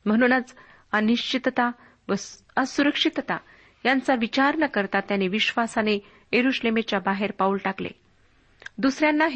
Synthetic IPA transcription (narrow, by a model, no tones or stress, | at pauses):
m̤əɽ̃uːnat͡s | əniɕt͡ɕit̪t̪a | ʋə | əsuɾəkʂit̪t̪a | jant͡saʋit͡ɕaɾɳəkəɾt̪at̪ːjaneʋiɕʋasane | jeɾuɕlemet͡ɕjabaɦeɾpaulʈaklḛ | d̪usɾjanːaɦ